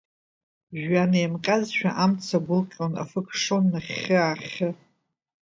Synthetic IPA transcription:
ʒᶣanejmqʲʼazʃᶣa̰ʔamt͡sʰaɡʷʊlqʲʼona̰fɨkʰʂonːaχʲɨaχʲɨ

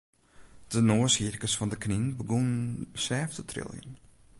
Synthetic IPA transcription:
d̥ənoːəshirkəsfɔndəkninbəɡonənsɛːftʰətʰrɪ̰lˠjə̰n

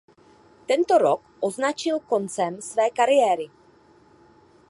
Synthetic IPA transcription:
t̪ɛnt̪o̞ɾokʔoznat͡ʃɪlko̞nt͡sɛmsvɛːkaɾɪjɛːɾɪ

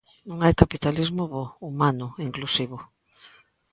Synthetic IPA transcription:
nũŋajkapit̪alizmʊβoumanʊiŋklusiβʊ

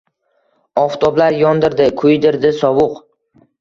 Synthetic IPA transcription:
ɒft̪ʰɒblaɾjɒnd̪ɪɾd̪ɪkʰʊjd̪ɪɾd̪ɪsɒbʊq

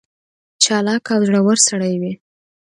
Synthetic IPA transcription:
t͡ʃɑlɑkawzɽawəɾsaɽajwi

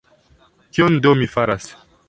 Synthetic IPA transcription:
kiondomifaɾas

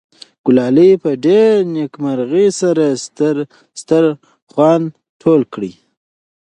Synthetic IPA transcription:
ɡ̥ʊlɑlipəɖeɾnekmaɾɣisaɾaɾ | st̪əɾ | χwɑn | ʈʰolkɽi

